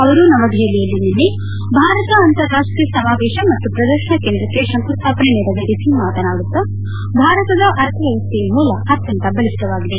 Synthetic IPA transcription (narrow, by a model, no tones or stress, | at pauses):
ɐʋɐɾunɐʋɐɡ̪ʱɐɐlijɐlːinilːi | bʱaːɾɐt̪ɐɐnt̪ɐɾːaːʂʈɾijɐsɐmaːʋɛːʃɐmɐt̪ːupɾɐd̪ɐɾʃɐɳɐkeːnd̪ɾɐkːesɐŋt̪ɐst̪ʰaːpɐneneːɾɐniʔit̪ʰimaːt̪ɐnaːɽut̪ːɐ | bʱaːɾɐt̪ɐd̪ɐʔɐɾt̪ʰɐjɐʋɐst̪ijɐɦoːlɐɐt̪jɐnt̪ɐbɐlist̪ɐʋaːɡid̪e